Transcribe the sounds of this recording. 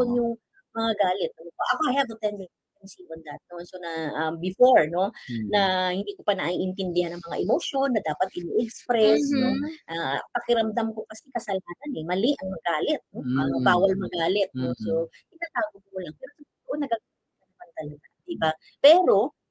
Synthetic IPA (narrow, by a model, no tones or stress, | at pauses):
onjʊŋ | mɐŋaɡaːlɛt̪̚ːɐokoʔɐkoʔɐjat̪ot̪ɛnd̪ɛ | ɛnsiond̪ɐt̪̚nonsonɐʔɐmbɪfoɹno̞nɐhɪnd̪iːkopɐnɐʔiʔɪnt̪ɪnd̪ɪhanɐŋmɐŋa̰ʔɪmoʃo̞nːɐd̪aːpɐt̪̚ʔɪniʔɛkspɾɛsno̞ʔapɐkɪɾɐmd̪amko̞kɐsɛkɐsɐlhaːnɐnɛmɐlɪʔɐŋmɐɡaːlɛt̪̚no̞ɐbaːwɐlmɐɡaːlɛt̪̚no̞sokɪnaːt̪aːɡokkʊlaŋpɛːɾosɐt̪ʊt̪oʔonːɐɡaɡa | kɐnɐmɐnt̪ɐlɐɡad̪ɪba | pɛːɾo̞